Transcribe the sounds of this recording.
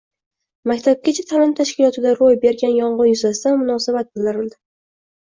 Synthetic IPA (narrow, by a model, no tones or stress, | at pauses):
makʲt̪ʰab̚kʲat͡ʃʰat̪ʰalɪmt̪ʰaʃkʲɪlˠɒt̪ʰɪd̪aɾojbe̞ɾɡʲanjɒɴʁɨjʊzasɪd̪anmʊnɒsabat̪̚bɪld̪ɪɾɪld̪ɪ